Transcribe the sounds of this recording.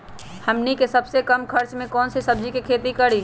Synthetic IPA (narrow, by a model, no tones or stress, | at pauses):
həmnikesəbsekəmkʰəɾt͡ʃmẽkɔːnsesəb̚d͡ʒikekʰeːt̪ikəɽi